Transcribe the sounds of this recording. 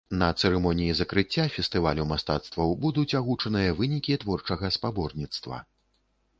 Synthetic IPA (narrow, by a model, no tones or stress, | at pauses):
nɐt̪sɛɾɛmɔnʲijizɐkɾɨt͡sʲːafʲɛst̪ɨvalʲumast̪at̪st̪vɐwbud̪ut͡sʲaɣut͡ʂɐnɨjɐvɨnʲikʲit̪vɔrt͡ʂɐɣɐspabɔrnʲit̪st̪vɐ̰